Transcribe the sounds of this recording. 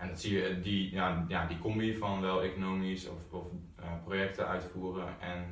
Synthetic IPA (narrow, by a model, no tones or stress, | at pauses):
ɛndɔtsiədijajadikomiːfɔnʋɛlˠekonoːmisɔ̰fɔf | projɛktəʔœ̰ɥtfuərəʔɛn